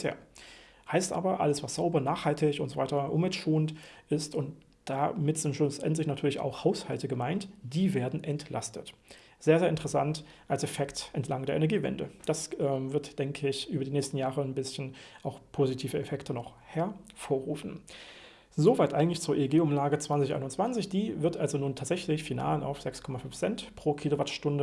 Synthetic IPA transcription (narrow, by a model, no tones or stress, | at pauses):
ḛːɐ | haɪstʔa̰ːbɐʔa̰ləsv̥asz̥aʊbɐnaːχhaltɪçʊntzovaɪtɐʔʊnvɛltʃoːntʔɪstʊnt | d̥amɪtz̥ɪntʃʊsʔɛ̰ntlɪçnatʰyːɐlɪça̰ʊxhaʊshaltəɡəmaɪntd̥iːveːɐdn̩ʔɛntlʔa̰stʰət | z̥eːɐzeːɐɪntəʁəsant | ʔalsɛfɛktʔɛntʰlaŋdeːɐʔenɛɐɡiːvɛ̰ndə̰d̥asʔɛːmvɪɐtd̥ɛŋkʰəɪçʔyːbɐdiːnɛːçstn̩jaːʁənbɪsçn̩ʔaʊxpʰoːzitʰiːvəɛfɛktʰənɔχ | hɛɐfoːɐʁuːfn̩ | zovaɪtʔaɪɡŋ̩tlɪçt͡suːɐʔeːɡeːʊmlaːɡət͡sv̥ant͡sɪçʔa̰ɪnʊnt͡sv̥ant͡sɪçd̥iːvɪɐtʔalzonuːntʰaːtz̥ɛçlɪçfina̰ːlʔa̰ʊfz̥ɛkskʰɔmafʏnfz̥ɛntpʁ̥oːkʰiːlovatʃtʊndə